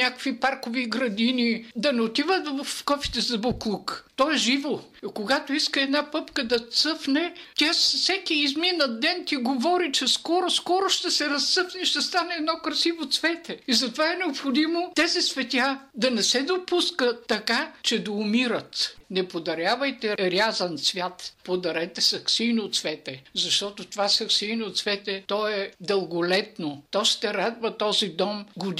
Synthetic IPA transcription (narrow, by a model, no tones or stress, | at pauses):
nʲakkvipaɾkoviɡɾɐd̪inid̪ɐnɛot̪ivət̪vɐfkɔfi̥t̪ɛzɐboklˠukt̪ɔɛʒivo | koɡat̪oiskəɛd̪napɤpkəd̪ɐt̪sɤfnɛtʲasfsɛkiːzminɐd̪ɛnt̪iɡovɔɾit͡ʃɛskɔɾoskɔɾoʃt̪ɛsɛɾɐst̪sɤfnɛʃt̪ɛst̪anɛːd̪nɔkɾɐsivot̪svɛt̪ɛizɐt̪ovaɛnɛopxod̪imot̪ɛzisvɛt̪ʲad̪ɐnɛsɛd̪opuskət̪ːɐkat͡ʃɛd̪ɐʊmiɾət̪nɛpod̪ɐɾʲjavəjt̪ɛɾʲjazɐnt̪svʲjat̪pod̪ɐɾɛt̪ɛsɐksijnoːt̪svɛt̪ɛzɐʃt̪ɔt̪ot̪ovasɐksijnot̪svɛt̪ɛt̪ɔɛd̪əlˠɡoʊlɛt̪not̪ɔʃt̪ɛɾad̪vət̪ɔzid̪ɔmɡʊd̪